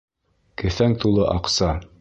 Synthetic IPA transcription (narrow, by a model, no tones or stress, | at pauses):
kɘ̆θæŋt̪ulˠɤʔɑqsɑ